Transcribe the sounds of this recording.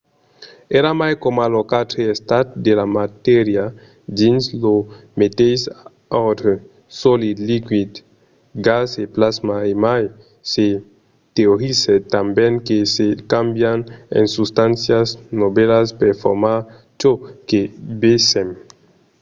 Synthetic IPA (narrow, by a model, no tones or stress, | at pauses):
eɾamajkomalokat̪ɾeest̪at̪̚d̪elamat̪eɾja | d̪inslomet̪ejs | awt̪ | solid̪likwid̪ | ɡaseplazmaemaj | se | t̪eoɾiset̪ambjeŋkesekambjanḛnsust̪ansjasnobelaspeɾfo̰ɾmaɾ | t͡ʃokebesem